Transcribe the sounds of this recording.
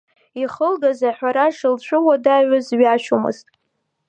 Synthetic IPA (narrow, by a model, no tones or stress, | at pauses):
iχəlɡazaħʷᶣaɾaʂɨlt͡ɕʷʰʼʊwadaɥazɥaʃomɨ̰ztʼ